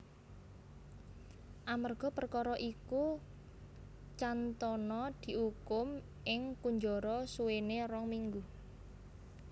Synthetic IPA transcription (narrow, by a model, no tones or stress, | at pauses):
ʔamərɡ̥ɔ̤pərkɔɾɔʔiku | t͡ʃant̪ɔnɔd̪̥i̤hukʊm | ɪŋkuɲd͡ʒɔɾɔsuwenerɔŋmiŋɡu